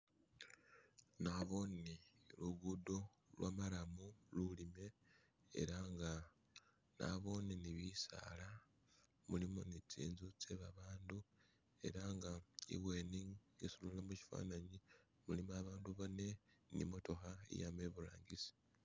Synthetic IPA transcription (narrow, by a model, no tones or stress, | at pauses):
naβo̞niluɡudo̞ | lwʔamalamululime̞̰ː | ɾaŋɡa | na̰βo̞niniβisa̰la | mulimo̞nit͡sḭːnzut͡seβaβaːndu | e̞̰ɾaŋɡaḭβwe̞niŋisululamuci̥fa̰ːnaɲi | mulimaβaːnduβone̞nḭmoto̞xaḭjameβula̰ːŋɡisi̥